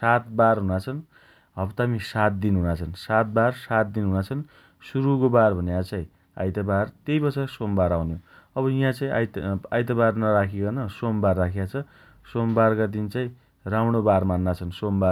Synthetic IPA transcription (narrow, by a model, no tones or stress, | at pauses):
sat̪barɦunat͡sʰʌn | ʌbt̪amisat̪̚d̪inɦunat͡sʰʌnsat̪̚barsat̪̚d̪inɦunat͡sʰʌn | suɾukobarbʱʌnjãt͡sãĩ | a̰jt̪abart̪ejpʌt͡sʰasombaɾawnjoʌβʌijãt͡saĩa̰jajt̪̬abarnʌɾakʰekanʌsombarːakʰjat͡sʰʌ | sombarkad̪int͡saĩ | ramɽobarmanːat͡sʰʌnsomba